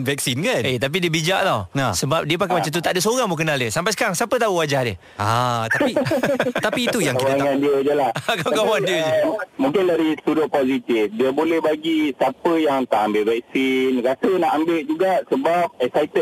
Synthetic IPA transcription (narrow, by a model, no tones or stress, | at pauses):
vɛk̚sinkanet̪ap̬idiəbid͡ʒaʔlawnasəbap̚diəp̬akajmat͡ʃamt̪̬ut̪aʔdəs̬oɾaŋmokənaldəsampajs̬kaŋsapət̪̬auwad͡ʒahdə̰ | at̪apit̪apiːt̪ujaŋkit̪aŋãndiəd͡ʒəlahkalaɡamandiəd͡ʒmũŋkɪnladisudʊʔ̚pozit̪ifdiəbolɛhbaɡisapəjaŋt̪aʔambɪʔvɛk̚sinɾasənaʔambeʔd͡ʒuɡaʔsəbap̚ɛksait̪ə